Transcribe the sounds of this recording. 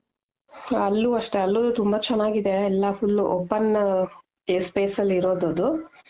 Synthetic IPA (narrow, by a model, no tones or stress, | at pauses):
ɐlːuɐʂʈe̞ɐlːod̪ut̪umbɐt͡ʃɛnːaːɡid̪e̞ːlːɐfulːʔoːpːɐn | eːspeːsɐlːiɾoːd̪od̪u